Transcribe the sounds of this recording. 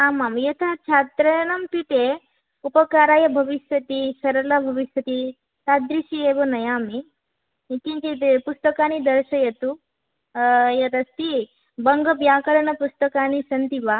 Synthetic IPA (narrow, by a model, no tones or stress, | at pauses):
aːmamjɐt̪ʰɐt͡ʃʰaːt̪ɾɐnɐmpit̪e | upɐkaːɾaːjɐbʱɐʋiʃʋɐt̪isɐɾɐlɐbʱɐʋiʃʋɐt̪i | sad̪ɾiʃieːʋɐnɐjaːmi | it̪int̪it̪epust̪ɐkaːnid̪ɐɾʃɐjɐt̪u | jɐt̪ɐst̪i | bɐŋɡɐbjaːkɐɾɐnɐpust̪ɐkaːnisɐnt̪iʋaː